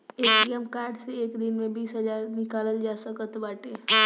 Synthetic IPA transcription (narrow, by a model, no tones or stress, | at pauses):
eːkɾijəmkaːɾɖseeːkd̪inmẽbiːsɦəd͡ʒaːɾnɪkaːləld͡ʒaːsəkət̪baːʈeː